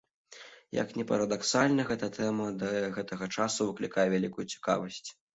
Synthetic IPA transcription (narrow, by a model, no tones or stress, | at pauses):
jɐ̰knʲɛpɐɾɐd̪aksalʲnɐɣɛt̪ɐt̪ʰɛmɐd̪ɐɣɛt̪ɐɣɐt͡ʂasuvɨklʲikajɛvʲalʲikujut͡sʲi̥ka̰vɐsʲt͡sʲ